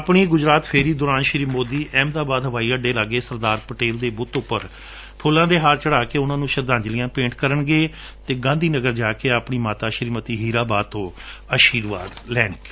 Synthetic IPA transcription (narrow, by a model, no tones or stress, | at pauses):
əpɳiːɡʊd͡ʒɾaːt̪pʰeːɾiːd̪ʊːɾaːnʃɾiːmoːd̪iːʔɛːmd̪aːbaːd̪ɦəʋaːiːəɖeːlaɡeːsəɾd̪aːɾpəʈeːld̪eːbʊt̪ʊpːəɾ | pʰʊːlːãːd̪eːɦaːɾt͡ʃəɽaːkeːʊnãːnũːʃəɾd̪ãːɲd͡ʒlɪjãːpẽːɳʈkəɾəɳɡeː | t̪eːɡãːnd̪iːnəɡəɾd͡ʒaːkeːaːpɳiːmaːt̪aːʃəɾiːmət̪iːɦiːɾaːbaːt̪õːaʃiːɾʋa̰ːd̪lɛːɳəkː